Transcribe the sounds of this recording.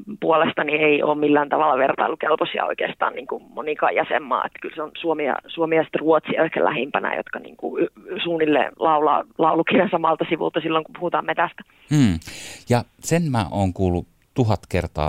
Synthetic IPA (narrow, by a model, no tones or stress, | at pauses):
puolest̪ɑnieio̰ːmmilːæːnt̪ɑʋɑlːɑʋert̪ɑilːukelposiɑ̰o̰ikḛːst̪ɑ̰ːnniːŋkumonikɑjjɑsḛmːɑ̰ːḛt̪kylseonsuomiɑ̰suomiɑsi̥t̪ruot̪siohkæ̰læ̰hempænæ̰jo̰t̪kɑnḭːŋkṵysuːnilːḛlɑulɑ̰lɑulukinensɑmɑlt̪ɑsiʋṵlt̪ɑsilːoŋkupuhut̪ɑːmet̪æst̪æ̥ː | jɑ | senmæʔoːŋkuːlːˑu | t̪uɦɑt̪kert̪ɑ̰ː